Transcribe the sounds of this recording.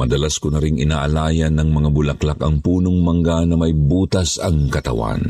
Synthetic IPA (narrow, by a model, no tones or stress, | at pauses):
mɐd̪ɐlaskʊnɐɾɪŋʔɪnaːʔɐlaːjɐnːɐŋmɐŋabʊlɐklakɐŋpuːnoŋmɐŋɡanɐmɐjbuːt̪ɐsɐŋkɐt̪ɐ̰wa̰n